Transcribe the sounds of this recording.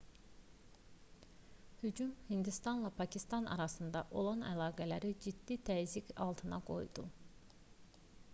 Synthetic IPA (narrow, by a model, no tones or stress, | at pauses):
hyd͡ʒumhind̪ist̪ɑnlˠɑpʰɑcʰist̪ɑnʔɑ̰ɾɑsɯnd̪ɑʔo̞lˠɑnæ̰lɑːɡælæɾid͡ʒid̪ːit̪ʰæzicɑ̰lˠt̪ʰɯnɑ̰ɡo̞̰jd̪u